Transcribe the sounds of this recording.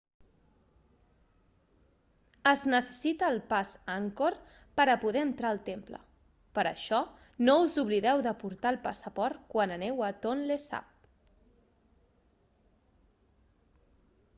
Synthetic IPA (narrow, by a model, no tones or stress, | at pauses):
əznəsə̥sit̪əːlˠpazaŋkoɾ | pəɾəpuðɛənt̪ɾaəlˠt̪emplə̰ | pəɾə̰ʃɔ | nouzuβliðɛwðəpuɾt̪aəlˠpasəpɔɾt̪kwanənɛwət̪onlesa̰p̚